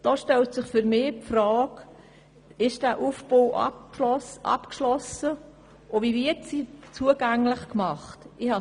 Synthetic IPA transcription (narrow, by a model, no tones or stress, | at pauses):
d̥oːʃtɛltsɪχfʏɾmɪːpfrɑːk | ɪʃd̥æːʔufb̥oːʔɑ̰ɔsʔɑ̰pkʃlɔsə | ʔɔvivɪtsit͡suəɡ̥æŋlɪχkmɑχtɪhɑ